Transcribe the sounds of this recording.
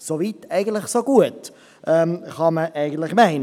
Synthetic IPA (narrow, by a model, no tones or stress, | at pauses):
soviːtɛɪɡən̩tlɪχsoɡuət | ʔɛːmχɑməʔæɪɡən̩tlɪχmæɪn